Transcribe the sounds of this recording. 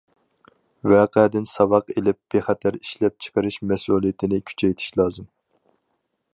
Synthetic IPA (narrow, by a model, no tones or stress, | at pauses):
vɛːqʰɛd̪ɪnsɑvɑqelɪp̚b̥eχæt̪ʰæɾi̥ʃlɛp̚t͡ʃʰə̥qʰəɾɪʃmɛsuːlˠijɪt̪ʰɪnɪkʲʰy̥t͡ʃʰɛjt̪ʰɪ̥ʃlˠɑːzɨm